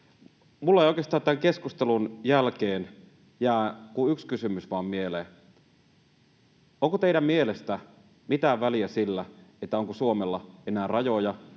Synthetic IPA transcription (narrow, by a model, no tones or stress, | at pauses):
mulːɑeijoikeːst̪ɑːnt̪æŋke̞skust̪elunjælkeːn | jæːkuykskysymysʋɑːmmieleː | oŋkot̪eiɾæmmielest̪æ | mit̪æːʋʋæliæsilːæet̪ːæoŋkosuomelːɑenæːrɑjojɑ